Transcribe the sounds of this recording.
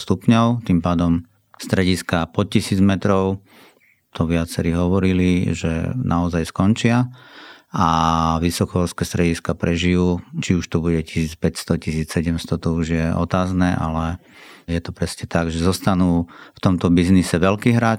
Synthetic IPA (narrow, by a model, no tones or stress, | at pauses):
st̪upɲɔʊt̪impaːd̪ɔm | st̪ɾɛɟiskapɔt̪̚cisiːd͡zmɛt̪ɾɔʊ | t̪ʰɔʋɪat͡sɛɾiɦɔʋɔɾiliʒɛ̰nʔaɔzajskɔnt͡ʃɪa | aʋisɔkɔɔlskɛːst̪ɾɛɟiskapɾʔɛʒijuːt͡ʃiuʃt̪ɔbuɟɛcisiːt͡spɛcst̪ɔcisiːt͡ssɛɟɛmst̪ɔt̪ɔuʒjɛʔɔ̰t̪aːznɛːʔa̰lɛ | jɛt̪ɔpɾɛsɲɛt̪aɡʒɛzɔst̪anuːft̪ɔmt̪ɔbiznisɛʋɛlkiːɦɾaːt͡ʃ